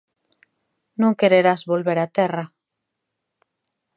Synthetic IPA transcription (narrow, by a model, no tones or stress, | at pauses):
nõŋkeɾeɾazβolβeɾat̪ɛra